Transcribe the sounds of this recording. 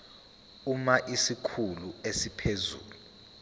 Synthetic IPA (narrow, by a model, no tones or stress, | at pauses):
umaʔisikʰuluesipʰezṵːluu